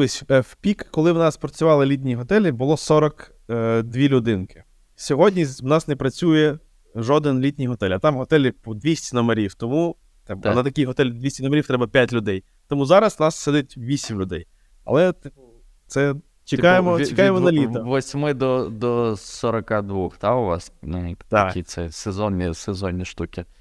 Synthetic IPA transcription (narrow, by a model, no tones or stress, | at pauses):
ɔsʲɛfpʲikːɔlˠɪwnɑspɾɔt͡sʲʊʋɑlˠɪlʲit̪̬ʲnʲiɦɔt̪ɛlʲibʊlˠɔsɔɾɐk | d̪ʲʋʲilʲʊd̪ɪnkɪ̥ | sʲɔɦɔdʲnʲiwnɑsnɛpɾɐt͡sʲujɛ | ʒɔd̪ɪnlʲitʲnʲijɦɔt̪ɛlʲɐt̪ɑmɦɔt̪ɛlʲipɔd̪ʲʋʲisʲtʲinɔmɐɾʲiwt̪ɔmu | t̪ɛ̰nɐt̪ɐkʲijɦɔt̪ɛlʲd̪ʋʲisʲinɔmɐɾʲiwt̪ɾɛbɐpʲjatʲlʲʊd̪ɛj | t̪ɔmuzɑɾɐsnɑsːɛd̪ɪt̚ʲʋʲisʲimlʲʊd̪ɛj | ɐ̰lˠɛt̪ | t̪sɛ | t͡ʃɪkɑjemɔt͡ʃɪkjemɔnɐlʲiɐʋɔsʲmɪd̪ɔd̪ɔsɔɾɐkɑd̪ʋuxt̪ɑʊʋɑ̰snt̪ɐkit̪sɛsezɔnʲːisezɔnʲːiʃt̪ukʲɪ